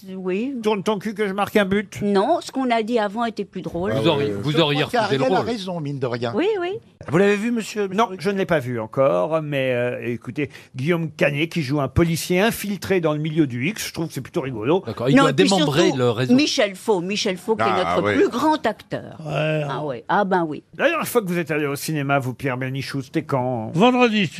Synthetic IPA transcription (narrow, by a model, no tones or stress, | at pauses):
wit̪uʁnt̪ɑ̃kyk̬əʒəmaʁkɛ̃byt̪nɔ̃sə̥kɔ̃nad̪iavɑ̃et̪ɛplyd̪ʁoluzɔʁjvuzɔʁjeʁəʁelalʁezɔ̃mind̪əʁjɛ̃wiwi | vulavevyməsjønɔ̃ʒənəlepavyɑ̃kɔːʁmɛøekut̪eɡʲijomkanekʲiʒuɛ̃pɔlisjeɛ̃filt̪χed̪ɑ̃ləmiljød̪yiksʒ̥ət̪χuvkə̥sɛplyt̪oʁiɡɔloakɔʁinɔ̃ad̪emɑ̃sbʁeləʁezmmiʃɛlfomiʃɛlfokɛnɔχəplyɡʁɑ̃t̪akt̪œ̰ːʁɛawiabɛ̃wḭlajɛʁfwakəvuzɛt̪aleosinemavupjɛʁbɛʁniʃuse̥t̪ɛkɑ̃vɑ̃d̪ʁəd̪i